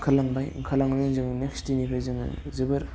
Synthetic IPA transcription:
ŋkʰalaŋbajŋkʰalaŋnɯŋzɯŋnekstinipʰajzɯŋɯ̰zɯbɯɾ

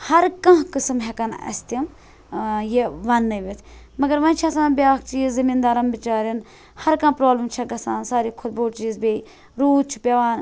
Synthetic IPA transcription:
hɐɾkɐ̃ɦkɨsɨmɦɛkɐnɐ̰st̪im | jeʋɐnːɨʋʲit̪ʰ | mɐɡɐɾʋɐnt͡ʃʰɐsãːnbʲaːɐkt͡ʃiːzzɐmiːnd̪aːɾɐmbɪt͡ʃaːɾin | hɐɾkɐ̃ːpɾaːblɐmt͡ʃʰɐɡɐsaːnsaːɾikʰʊt̪̚boːʈt͡ʃiːzbʲe | ɾuːd̪̚t͡ʃʰi̥pʲɐʋaːn

